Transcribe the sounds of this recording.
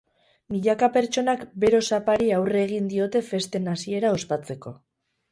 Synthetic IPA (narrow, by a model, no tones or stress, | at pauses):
miʎakape̞ɾt͡ʃo̞nakbe̞ɾo̞sapaɾiawre̞ɣ̞ind̪io̞t̪e̞fe̞st̪e̞nasie̞ɾao̞spat͡se̞ko̞